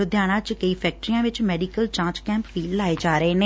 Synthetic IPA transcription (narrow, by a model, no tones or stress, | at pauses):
ʊd̪jaːɽ̃ãːt͡ʃkəiːpʰɛːk̚ʈɾijãːʋɪt͡ʃmɛːɖiːkəlt͡ʃãːt͡ʃkɛ̃ːmpʋiːlaːeːd͡ʒaːɾəeːneː